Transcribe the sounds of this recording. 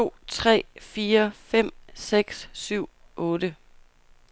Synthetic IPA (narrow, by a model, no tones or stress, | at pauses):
o̝̰ːt͡sʰʁɛ̰ːfiːɐfem̰seɡ̥sːyʊ̰ | ʔɔːɾə